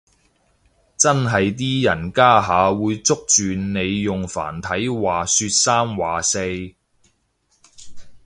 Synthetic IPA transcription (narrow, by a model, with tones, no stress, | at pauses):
t͡sɐ˥nɦɐ˨jt̪̬iː˥jɐ˨˩nkaː˥ɦaː˨˧wuː˨˧jt͡sʊ˥k̚t͡ʃyː˨nne˨˧jjʊ˨ŋfa̰ː˨˩nt̪ʰɐ˨˥jwaː˨˩syː˧t̚saː˥mwaː˨se˧j